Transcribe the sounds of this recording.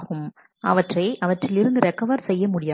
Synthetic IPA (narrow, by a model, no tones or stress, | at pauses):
ɣɯm | ʔɐ̰ʋɐʈrɐɪʔɐʋɐʈrɪlɪɾɯnd̪ɯɾɛkːɐʋɐɾsɛjːɐmʊɽɪjaː